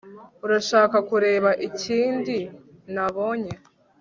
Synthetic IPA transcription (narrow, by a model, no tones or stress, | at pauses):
uɾaʃaːkakuɾe̞ːβaʔiciːndi | naβo̞ɲe